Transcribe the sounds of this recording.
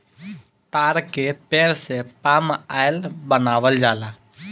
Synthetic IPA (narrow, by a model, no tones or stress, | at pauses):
t̪aːɾkepeːɾsepaːmaːjlbənaːʋəld͡ʒaːlaː